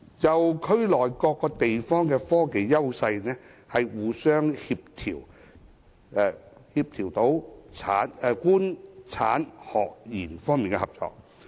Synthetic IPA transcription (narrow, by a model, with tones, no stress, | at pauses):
t͡sɐ˨wkʰɵ˥ɥlɔː˨˩jkɔː˧kːɔː˧t̪e˨jfɔː˥ŋkɛː˧fɔː˥ke˨jːɐ˥wsɐ˧jnɛː˥hɐ˨jwuː˨˧sœː˥ŋhiː˧p̚t̪ʰiː˨˩w | ɛ˨˧hiː˧p̚t̪ʰiː˨˩wt̪o˨˥wt͡sʰa̰ː˨˥nɛ˧kuː˥nt͡sʰaː˨˥nhɔː˨˩k̚jiː˨˩nfɔː˥ŋmiː˨nkɛ̰˧hɐ˨˩p̚t͡sɔ̰ː˧k̚